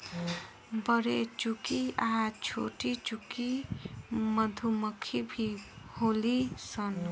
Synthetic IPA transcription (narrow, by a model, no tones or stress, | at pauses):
bʌɾet͡ʃukiaɦat͡ʃʰo̰ʈit͡ʃuki | mʌd̪ʱuməkʰibʱiholisʌn